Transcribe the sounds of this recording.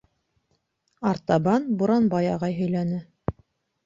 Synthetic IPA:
ɑɾt̪ɑbɑnbuɾɑnbɑjɑʁɑjɦɵ̆jlænɘ

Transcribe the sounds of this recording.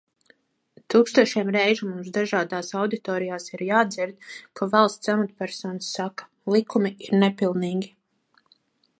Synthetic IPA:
t̪uːkst̪uɔʃɛɛmɾɛjʒumumsd̪aʒaːd̪aːsawd̪it̪ɔːɾijaːsiɾjaːd̪ziɾd̪̚kʰavalˠst̪samat̪pʲæɾsɔːnsːakḁ | lˠikumiiɾnɛpilˠniːɡʲi

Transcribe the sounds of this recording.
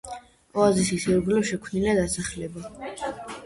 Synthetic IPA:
ɔazisisɛɾɡlɛʃɛkʰvniliad̪asaχlɛba

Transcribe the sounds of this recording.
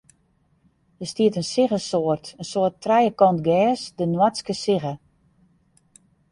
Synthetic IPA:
dəstiətənsɪɣəsoərtənsoːətrɛjəkɔntɡɛːsdənwaskəsɪɣə

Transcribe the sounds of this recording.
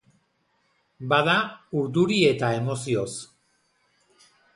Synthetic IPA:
baðauɾðuɾie̞t̪ae̞mo̞sio̞s

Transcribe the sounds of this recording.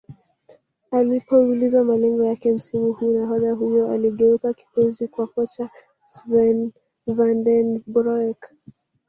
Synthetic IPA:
alipɔulizamalɛŋɡɔjakɛm̩simuhuːnaɦɔðaɦujɔaliɠɛukaki̥pɔzikwakɔt͡ʃa | svɛn | vandɛnbɾɔɛk

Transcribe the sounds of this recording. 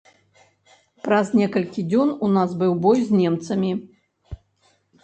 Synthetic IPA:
pɾɐznʲɛkɐlʲkʲid͡zʲɔnunazbɨwbɔjzʲnʲɛmt̪sɐmʲi

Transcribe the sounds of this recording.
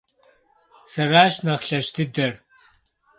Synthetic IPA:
sɐraːʃnɐχɬɐʃt̪ʰɨd̪ɐr

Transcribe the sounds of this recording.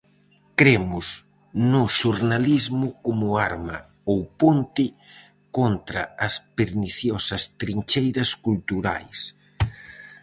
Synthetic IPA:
kɾemʊs | nʊʃoɾnalizmʊkomʊaɾmɐ | owpont̪ɪ | kont̪ɾɐɐspeɾniθjɔsɐst̪ɾint͡ʃejɾɐskult̪uɾa̰js

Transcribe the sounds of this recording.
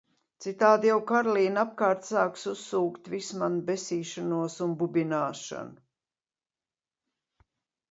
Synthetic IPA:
t̪sit̪aːd̪jawkaɾlˠiːnap̚kaːɾt̪saːksusːuːkt̪vismanbɛsiːʃanuɔsunbubʲinaːʃa̰nʊ

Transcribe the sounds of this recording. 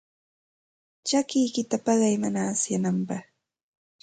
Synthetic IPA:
t͡ʃakɪjkɪt̪apɑɢɑjmanaːsjanampɑχ

